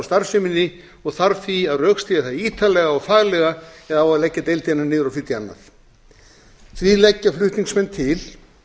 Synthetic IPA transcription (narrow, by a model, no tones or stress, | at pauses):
st̪aɾ̥sɪmɪnːɪ | ɔɣθaɾfiaðrœːkst̪iːðaθaðiːt̪ʰalɛɣaɔɣfaːɣlɛɣaɛðavaɾlɛcːat̪ejlt̪inanɪːðʏɾawfɪt̪ia̰nːa̰θ | θvilɛcːaflʏht̪niŋksmɛnt̪ʰɪl̥